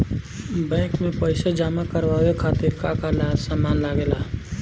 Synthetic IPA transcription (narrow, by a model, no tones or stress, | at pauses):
bɛ̃ːkmẽpəɪsed͡ʒaːmakəɾʋawekʰaːt̪ɪɾkakalsamːaːnlaɡeːlaː